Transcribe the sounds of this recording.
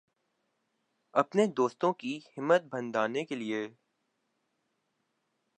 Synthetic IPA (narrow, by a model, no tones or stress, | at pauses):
ɐpned̪oːst̪õkihɪmːət̪̚bɐ̃nd̪aːnekelie